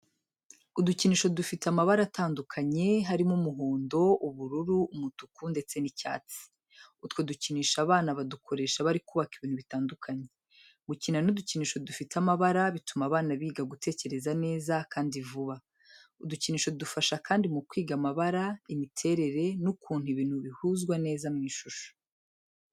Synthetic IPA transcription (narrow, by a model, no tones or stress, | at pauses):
uduciniːʃo̞dufitamaβaɾataːndukʰaɲe̞ɦaɾimumuɦoːndo̞ʔuβuɾuɾuumutukunde̞t͡se̞nica̰ːt͡si̥ | utwo̞duciniːʃaβaːnaβadukʰo̞ɾe̞ːʃaβaɾikuːβakiβiːnhuβitaːndukʰaɲe | ɡucinanuduciniːʃo̞dufitamaβaɾaβitumaːβaːnaβiːɡaɡute̞ːce̞ɾe̞zane̞ːzakaːndivuβa | uduciniːʃo̞dufaʃakaːndimukwiːɡamaβaɾaimitʰe̞ɾe̞ɾe̞nukʰuːn̥huiβiːn̥huβihuːzɡwane̞ːzamŋiːʃuʃo̥